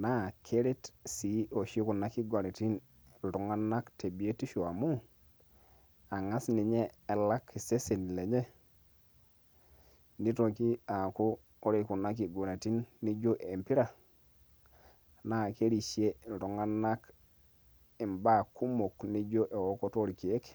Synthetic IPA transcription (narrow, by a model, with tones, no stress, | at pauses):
na˦kʰe˦ɾe˦tsi˨o˨ʃi˦ku˨na˦ki˦ɡo˨ɾe˨ti˦n | ɾu˨ŋa˦nːa˦kte˨bi˨e˦ti˦ʃu˨a˨mu˦ | a˨ŋa˦sni˨ɲeː˦˨la˦kːi˨se˦se˨n˨le˨ɲe˦ | ni˦to˨ki˦a˨kuː˦ | ɾi˦ku˨na˦k̬i˨ɡo˨ne˨ti˦nːi˦d͡ʒo˦ʔe˨mpi˦ɾa˨ | na˦˨ke˦ɾi˨ʃi˦e˦ɾu˨ŋa˦nːa˦k | i˨mba˦˨kːu˦mo˨kni˦d͡ʒo˦ʔe˨wo˦ko˦to˦ɾi˨ki˨e˦k